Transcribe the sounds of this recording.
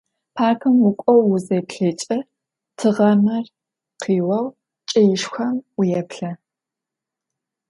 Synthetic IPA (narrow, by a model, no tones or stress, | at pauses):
pʰaːkʰɨmwʊkʷʼɔwːʊzejpɬeːt͡ʃʼɐ | tʰɨʁɐmɐr | qiːwɐw | t͡ʃʼɐjɪʂxʷɐmwʊjɛpɬɐ